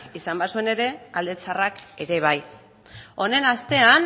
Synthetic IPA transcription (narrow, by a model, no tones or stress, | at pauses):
isambasue̞ne̞ɾe̞ald̪e̞t͡sarake̞ɾe̞β̞aj | o̞ne̞nast̪e̞an